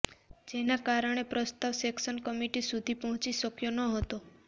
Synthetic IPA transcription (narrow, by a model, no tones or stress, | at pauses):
d͡ʒenakaɾəɽ̃epɾəst̪aʋseksənkəmiʈisud̪ʱipɔɦɔ̃t͡ʃiʃəkjonəɦət̪o